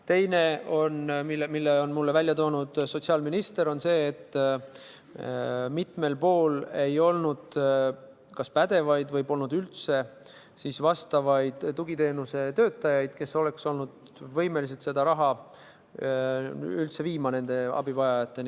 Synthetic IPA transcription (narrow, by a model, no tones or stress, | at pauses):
t̪e̞jne̞o̞nmimilːeo̞nmulːe̞vælʲjɑt̪o̞ːnud̪̥so̞t̪ʲsiɑːlminist̪e̞ɾo̞nse̞ːt̪ːˑ | mit̪me̞lpo̞ːle̞jo̞lnud̪̥ | kɑspæd̪̥e̞vɑjd̪vɤjpo̞lnud̪ylt̪se̞ | siːsvɑst̪ɑvɑjd̪̥t̪uɡit̪e̞ːnuse̞t̪ø̞ːt̪ˑːɑjɑjd̪̥ke̞so̞le̞kso̞lnud̪̥ | vɤjme̞lis̬et̪se̞d̪ɑɾɑɦɑ | ylt̪se̞viːmɑne̞nd̪̥e̞ɑ̰bivɑjɑjɑt̪ːe̞n